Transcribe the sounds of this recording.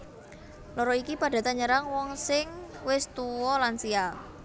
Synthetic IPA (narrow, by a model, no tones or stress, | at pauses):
lɔɾɔikipaɖ̥a̤t̪aɲəɾaŋwɔŋsɪŋwɪst̪uwɔlansiaŋ